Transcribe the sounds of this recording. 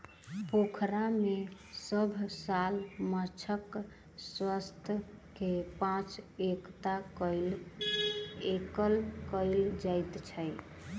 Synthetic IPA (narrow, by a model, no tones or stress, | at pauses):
pokʰɾame | səbʱsalmət͡ʃʰək | swəst̪ʰkepãt͡ʃekt̪al | ekəlkəɪld͡ʒajt̪t͡ʃʰəj